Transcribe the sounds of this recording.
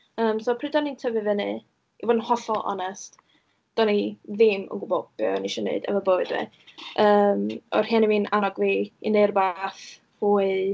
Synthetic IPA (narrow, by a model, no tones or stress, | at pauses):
əːmsɔːpʰrɨdɔnintʰəvɨvənɨ | ivɔnhɔθɔlˠɔ̰nɛst | d̥ɔniðɪmə̰ŋɡʊbɔb̥ɛniʃɔnḛɨdə̰vəboːɨdvɛ̰ | əːmɔ̰r̥hianiviːnʔanɔɡviineɨrbaːθ | huːɨ